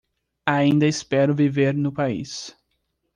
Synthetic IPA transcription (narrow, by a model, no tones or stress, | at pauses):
aĩnd̪ɐɪspɛɾʊviveɾnʊpaḭs